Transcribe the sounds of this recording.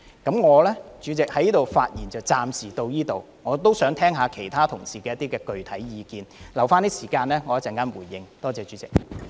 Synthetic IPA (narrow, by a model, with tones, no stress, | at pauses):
kɐ˨˥mŋɔː˨˧lɛː˥t͡ʃyː˨˥t͡sɪ˨k̚hɐ˨˥jiː˥t̪o˨wfaː˧t̚jiː˨˩nt͡sɐ˨˩wt͡saː˨msiː˨˩t̪o˧wjiː˥t̪o˨w | ŋɔː˨˧t̪o˥wsœː˨˥ŋt̪ʰɛː˥ŋɦaː˨˧kʰe˨˩jt̪ʰaː˥t̪ʰʊ˨˩ŋsiː˨˩kɛː˧jɐ˥t̪iː˥kɛː˧kɵ˨ɥt̪ʰɐ˨˥jjiː˨˧kiː˨˧nlɐ˨˩wfaː˥nt̪iː˥siː˨˩kaː˧nlɛː˥ŋɔː˨˧jɐ˥t͡sɛ˨˥ŋkaː˥nwuː˨˩jːɪ˧ŋt̪ɔː˥t͡sɛː˨˧t͡ʃyː˨˦˥t͡sɪ˨k̚